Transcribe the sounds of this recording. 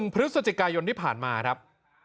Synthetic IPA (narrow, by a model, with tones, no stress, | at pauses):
ŋpʰɾɯ˦˥t̚sa˨˧t͡ɕi˨˩kaː˧jo˧nt̪ʰiː˥˩pʰaː˨˩nmaː˧kɾa˦˥p̚